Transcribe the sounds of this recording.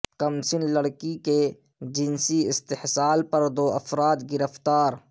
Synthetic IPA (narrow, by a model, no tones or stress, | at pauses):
kɐmsɪnlɐɽkike | d͡ʒɪnsiɪst̪ɪhsaːlpɐɾd̪oːɐfɾaːd̪ɡɪɾəft̪aːɾ